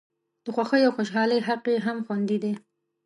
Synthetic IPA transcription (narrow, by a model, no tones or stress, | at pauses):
d̪̥əxwaxəjawxoʃɦɑləjɦaqeɦamxwand̪id̪e